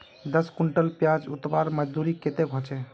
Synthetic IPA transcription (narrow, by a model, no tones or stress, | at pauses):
d̪əskuɳʈəlpjad͡ʒut̪baɾməd͡ʒd̪uɾiket̪ebʱɔt͡ʃɛ